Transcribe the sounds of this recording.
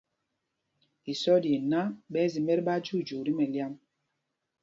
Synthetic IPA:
i˨sɔ˦dje˨na˦ɓɛ˦zi˨mɛ˦ɾɓa˦d͡ʒu˦˨d͡ʒu˨ɾi˦mɛ˨lja˦m

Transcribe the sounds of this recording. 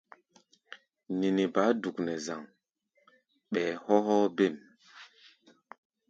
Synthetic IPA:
ni˨ni˨ba˨˦du˨knɛ˨za˨ŋ | ɓɛː˨hɔ˦ɦɔ˦be˦˨m

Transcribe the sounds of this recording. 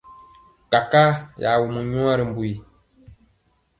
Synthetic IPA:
ka˨ka˦ja˨wu˨mu˨ɲũ˦a˦ɾɨ˨m̩˨˦bu˨i˨

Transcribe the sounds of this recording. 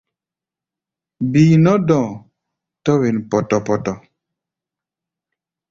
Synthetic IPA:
biː˨nɔ˦dɔ̃˨ | tɔ˦we˨npɔ˨tɔ˨pɔ˨tɔ˨

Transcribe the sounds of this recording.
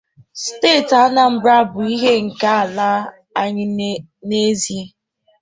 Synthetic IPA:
steː˦˨ta˦na˨m̩˨bɾa˦bʊ˨i˦ɦe˦ŋ̩˨ka˦a˨la˦ | a˨ɲɪ˦ | ne˦zi˦

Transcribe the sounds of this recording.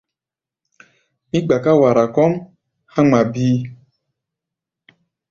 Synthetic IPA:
mi˦ɡ͡ba˨ka˦wa˨ɾa˨kɔ˦m | ha˦ŋ͡mma˨biː˦

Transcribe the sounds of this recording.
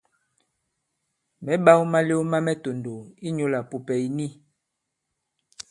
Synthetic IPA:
mɛ˨˦ba˦wma˦le˦ma˦mɛ˦to˨ndo˨i˦ɲo˦la˨po˨pɛ˨i˨ni˦

